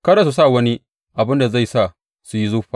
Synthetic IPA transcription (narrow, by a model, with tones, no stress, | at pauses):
kɐ˦ɾa˦s̬u˨s̬a˦˨wɐ˦ni˦ | ʔa˨bɪ˦nda˨za˦˨jsa˦˨ | su˨ji˦zʊ˦ɸaː˨